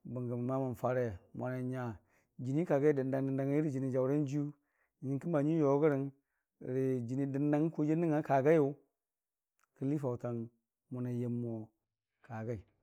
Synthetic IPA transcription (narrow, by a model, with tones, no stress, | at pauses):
bu˨ŋɡə˨m˨ma˦ma˨n˨fa˦ɾe˦˨mʔa˨na˨ɲa˨ | d͡ʒi˨ni˦ka˨ɡa˦i˦di˨nda˨ŋdə˨nda˨ŋ˦i˦ɾi˨d͡ʒi˨ni˨d͡ʒa˨wɾa˦n˦d͡ʒu˦˨ | ɲi˨˦ki˦ma˨ɲi˦jo˨˦ɡə˦ɾi˨n˨ | ɾi˨d͡ʒi˨ni˨di˨nda˦ŋ˦ko˦d͡ʒe˦ni˦ŋa˨˦ka˨ɡa˦jo˨˦ | kə˦li˦fa˨u˨ta˨n | mu˨na˨je˨mːo˨ | ka˨ɡa˦i˨